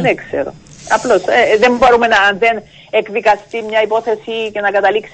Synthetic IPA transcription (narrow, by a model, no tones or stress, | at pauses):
neksḛɾo̰ | ɐplo̞seðembo̞ɾume̞nɐnðe̞n | ekðikɐst̪imɲɐipo̞θe̞sice̞nɐkɐt̪ɐliks